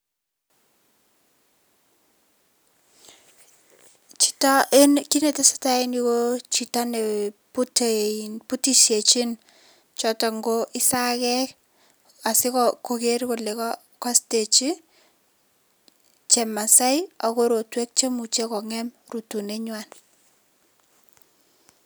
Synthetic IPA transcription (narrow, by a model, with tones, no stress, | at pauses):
t͡ʃi̥˨tɔ˦ʔe˦nki˦ne˨te˦sḁ˦tai˦niɣot͡ʃi˨ta˦ne˨putnpu˦ti˦ʃje˨t͡ʃi˦n | t͡ʃɔ˨tɔ˨ŋɡoʔi˦sa˦kɛk | a˨sɪ˦kɔkoke˦rko˨le˨kɔ˦ | kɔ˦ste˨t͡ʃi˦ | t͡ʃe˨ma˨sa˦jako˦ɾo˨twe˦k̚t͡ʃe˦mu˨t͡ʃekɔ˨ŋɛ˦mru˨tu˨neɲwan